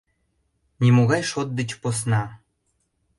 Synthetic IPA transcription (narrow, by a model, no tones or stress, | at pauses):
nʲimoɣɑjʃot̪̚d̪ət͡ɕpos̬nɑ